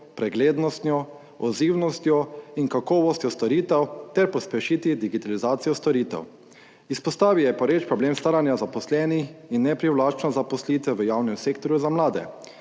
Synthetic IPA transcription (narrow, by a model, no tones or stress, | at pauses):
pɾɛɡleːd̪nɔst̪njɔ | ɔziːwnɔst̪jɔiŋkakɔːʋɔst̪jɔst̪ɔɾiːt̪ɛwt̪ɛɾpɔspɛʃit̪id̪iɡit̪alizaːt̪sijɔst̪ɔɾiːt̪ɛ̰w | ispɔst̪aːʋiwjɛpɔɾeːt͡ʃpɾɔbleːmst̪aːɾanjazapɔslɛːnixinːɛpɾiwlaːt͡ʃnɔzapɔslit̪ʋɛʋəjaːwnɛmseːk̚t̪ɔɾjuzamlaːd̪ɛ̰